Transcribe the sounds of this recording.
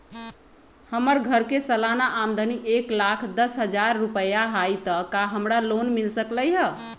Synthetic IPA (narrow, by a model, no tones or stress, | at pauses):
həməɾɡʱəɾkesəlanaʔːmd̪ʱəniʔeklakʰd̪əsɦəd͡ʒaɾːupəjaɦajt̪əkaɦəmɾalonmilsəkləjɦə